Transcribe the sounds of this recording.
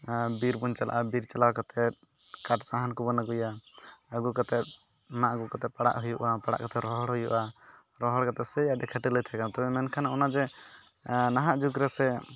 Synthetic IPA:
biɾbunt͡ʃala̰ʔabiɾt͡ʃalawkat̪ʰɛt̪̚ | kaʈsaɦankubɔnaɡujaəɡukat̪ɛt̪̚ | maʔɡukat̪ɛpaɽa̰ʔɦujuʔapaɽa̰ʔkat̪ɛɾɔɦɔɽɦujuʔa | ɾɔɦɔɽkat̪ɛsɛjadɛkʰəʈilət̪ʰɛkat̪ɔbɛmɛnkʰanaɔnad͡ʒɛ | naɦaʔd͡ʒukɾɛsɛ

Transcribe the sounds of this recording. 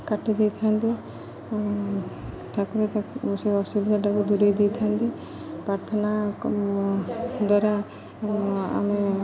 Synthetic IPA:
kaʈid̪ijt̪ʰant̪i | t̪akuɾet̪auseɔsibd̪ʱaʈakud̪uɾejd̪ijt̪ʰant̪i | pɾaɾt̪ʰɔna | d̪ɔɾa | a̰me

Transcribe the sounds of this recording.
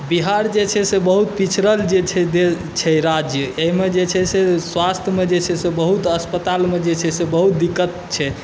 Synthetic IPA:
biɦaɾd͡ʒet͡ʃʰɛsebəɦut̪̚pit͡ʃʰɾəld͡ʒet͡ʃʰɛd̪e | t͡ʃʰɛɾad͡ʒjəeɦimed͡ʒet͡ʃʰɛseswast̪ʰjəmed͡ʒet͡ʃʰɛsebəɦut̪əspət̪almed͡ʒet͡ʃʰɛsebəɦut̪̚d̪ikːət̪t͡ʃʰɛ

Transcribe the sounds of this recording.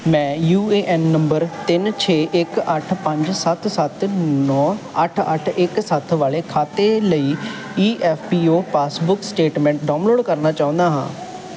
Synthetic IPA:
mɛ̃ːjuːeːʔɛːnːəmbəɾt̪ɪnt͡ʃʰeːʔɪkəʈʰpəɲd͡ʒsət̪sət̪nɔːəʈʰə̰ʈʰɪksət̪ʰʋaːleːkʰaːt̪eːləiː | iːʔɛːfʰpiːõːpaːsbʊksʈeːʈmɛ̃ːɳʈ̚ɖaːnloːɖkəɾnaːt͡ʃaːʊ̃nd̪aːɦã̰ː

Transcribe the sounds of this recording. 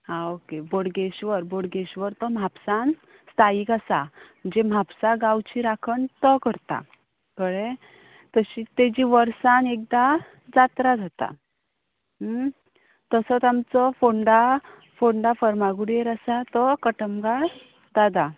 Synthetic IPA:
ɦãokeboɽɡeɕʋəɾboɽɡeɕʋəɾt̪ɔm̤ʱapsan | st̪aikasa | d͡ʑem̤ʱapsaɡawt͡ɕiɾakʰəɳt̪ɔkəɾt̪a̰ | kəɽe | t̪əɕit̪ed͡ʑiʋəɾsanek̚d̪a | d͡zat̪ɾad͡zʱat̪a̰ | t̪əsɔt̪amt͡sɔfoɳɖa | foɳɖafəɾmaɡuɽeɾasat̪ɔkəʈəmɡaɭ | d̪ad̪a

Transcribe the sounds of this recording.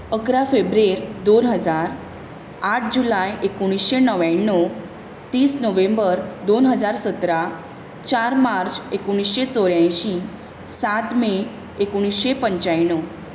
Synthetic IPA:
əkɾafebɾeɾd̪onɦəd͡zaɾ | aʈ̚ʰd͡ʑulajekoɽ̃isɕenəʋjaɳːo | t̪iːsnəʋẽmbəɾd̪onɦəd͡zaɾsət̪ɾa | t͡ɕaɾmaɾt͡ɕekoɽ̃isɕet͡soɾjãjɕĩ | sat̪me | ekoɽ̃isɕepəɲt͡ɕajɳːo

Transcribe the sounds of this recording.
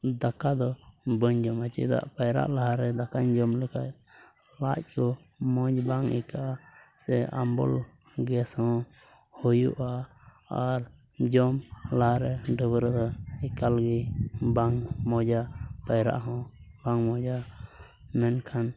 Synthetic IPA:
d̪akad̪ɔbəɲd͡ʒɔmat͡ʃḭd̪a̰ʔpajɾa̰ʔlaɦaɾɛd̪akaɲd͡ʒɔmləkʰat̚ | lac̚kɔ | mɔd͡ʒbaŋḭkaʔsɛambɔ̰l | ɡɛshɔ̃ | hujṵʔa | aɾ | d͡ʒɔmlaɦaɾɛɖəbɾd̪ɔikalɡibaŋmɔd͡ʒapajɾa̰ʔɦɔ̃baŋmɔ̃d͡ʒa | mɛnkʰan

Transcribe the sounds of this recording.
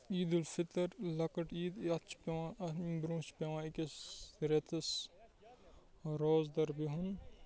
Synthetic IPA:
iːd̪ulfit̪ɐɾlɐkɐʈiːd̪ɐt͡ʃʰpewabɾũːspewãːikesɾet̪ʰɐs | ɾoːzd̪ɐɾbiɦun

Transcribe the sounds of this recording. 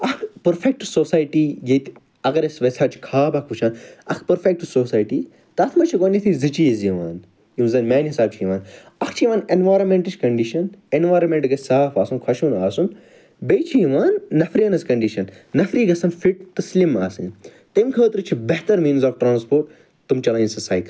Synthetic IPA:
ɐkʰpɐɾfek̚ʈusoːsaːjʈiːjet̪ | ɐɡɐɾesʋesaːt͡ʃʰi̥kʰaːbɐkʰut͡ʃʰaːnɐkʰpɐɾfek̚ʈːusoːsaːjʈiː | t̪ɐt̪ʰmɐt͡ʃʰiɡoːnʲɐt̪ʰizɨt͡ʃiːziʋa̰ːn | jimzɐnmaːnɦisaːb̚t͡ʃʰijʋaːn | ɐkʰt͡ʃʰijʋaːnenʋaːjɾɐmeɳʈɨt͡ʃkɐɳɖiʃɐnenʋaːɾɐmeɳʈɡɐsaːfaːsunkʰɐʃunaːsun | bejt͡ʃʰiiʋaːnːɐfɾinɐskɐɳɖiʃɐnːɐfɾiːɡɐsɐnfiʈ̚t̪ɐslimaːsɨt̪ɐmkʰəːt̪ɨɾɨt͡ʃʰibɐɦt̪ɐɾmiːnzaːfʈɾãːnspoːɾʈ | t̪umt͡ʃɐlɐinsɐsaːjk

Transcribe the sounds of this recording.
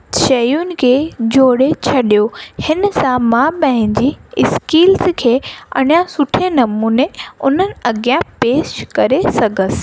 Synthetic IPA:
ʃɐjʊnɪ̆kʰeːd͡ʑoːɽet͡ɕʰɐɗijohɪnsãmãpɐ̃ɦɪ̃ɲd͡ʑiɪskiːlzkʰeːɐ̰ɽ̃ijãsʊʈʰenɐmuːneʊn̤ənɪ̆ɐɡijãpeːʃkɐɾesɐɡʱəsɪ̥̆

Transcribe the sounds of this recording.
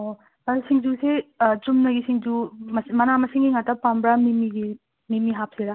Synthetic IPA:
o | ɐɾsiŋd͡ʒuset͡ʃumnɐɡisiŋd͡ʒumɐsmɐnamɐsiŋɡiŋatapambɾamimiɡi | mimiɦap̚seɾa

